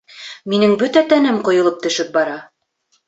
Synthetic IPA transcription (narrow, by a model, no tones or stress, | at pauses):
minɘŋbɵt̪æt̪ænɘmqŏjɤ̆lˠɤp̚t̪ɵ̆ʃɘp̚bɑɾɑ